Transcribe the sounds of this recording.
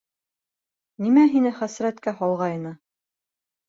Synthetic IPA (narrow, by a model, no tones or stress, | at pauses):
nimæɦinɘχæsɾæt̪kæhɑlˠʁɑjɤ̆nɤ